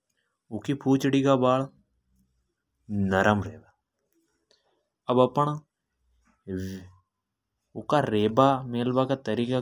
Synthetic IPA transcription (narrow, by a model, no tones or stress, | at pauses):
ʊkiːpʰuːt͡ʃɽiːkaːbaːl | nəɾʔəmɾeːd̪aː | əbəpːəɳ̃ | ʊkaːɾeːbaːmeːlbaːkaːt̪əɾiːka